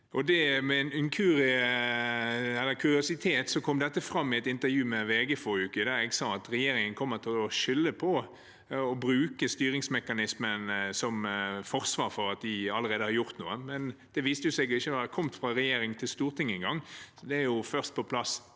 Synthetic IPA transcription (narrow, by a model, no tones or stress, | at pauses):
ʔɔd̪ɛmɛɪnɪŋkʰʉɾɪə | ɛlːəkʰʉɾɪʊsɪt̪ʰeːt̪sɔkʰɔmd̪ɛt̪ːəfɾɑmːɪɛt̪ɪnt̪əɾjʉːmɛʋeːɡəfɔɾʉːkəd̪æɾɛɡsɑɑt̪ɾɛjeːɾɪŋənkʰɔmːət̪ʰɪlɔʃʏlːəpʰɔ | ɔbɾʉːkəst̪yːɾɪŋsmɛkːɑnɪsmənsɔmfɔʁsʋɑːɾfɔɾɑt̪̚d̪ɪɑləɾeːd̪əhɑɾjʊʁt̪nṵːəmɛnd̪̥ɛʋiːst̪əjʊsɛɡjʊɪçːəʋɑːd̪ɛkʰɔmt̪fɾʁɑɾɛjeːɾɪŋt̪ʰɪlst̪uːɾt̪ʰɪŋːəɪŋɡɑŋːɔd̪ɛæɾjʊfœɾst̪̚pʰɔpʰlɑs